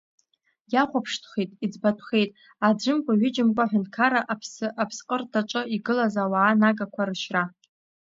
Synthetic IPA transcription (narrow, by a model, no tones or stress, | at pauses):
jaχʷapʰʂtʰχejtʼid͡zbatʷʰχe̞jtʼ | ad͡ʒʷɨmkʷʼaɥɪd͡ʒɪmkʷʼaħʷᶣʊntkʰaɾaʔpʰsapʰsqʼərtʰaʈ͡ʂʷʼɨiɡɨlazawaːnaɡakʷʰaɾɨʃra